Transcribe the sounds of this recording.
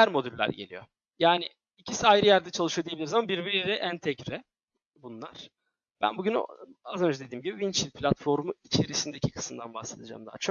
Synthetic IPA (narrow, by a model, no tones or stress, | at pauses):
æɾmo̞d̪ylʲːæ̰ɾɟḛlʲḭjo̞̰ | jaːnɪː | cʰisiajɾɯjæɾd̪ɛt͡ʃʰalˠɯʃɯjoijeilʲiɾzamabiɾbiɾiɾɛʔænt̪ʰɛcɾɛ | bunlˠa̰ɾ̥ | b̥æ̰nbuɟyn̰azø̞nd͡ʒɛd̪ed̪iːmɟibivint͡ʃʰilʲpʰlʲat̪fo̞ɾmuit͡ʃʰe̞ɾisind̪ecʰikʰɯ̥sɯmd̪a̰nbaxse̞d̪id͡ʒa̰ːmd̪a̰ːt͡ʃʰok̚